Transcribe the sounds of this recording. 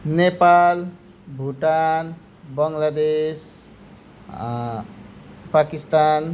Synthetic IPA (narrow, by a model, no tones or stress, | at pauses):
nepal | bʱuʈan | bʌŋlad̪es | pakist̪an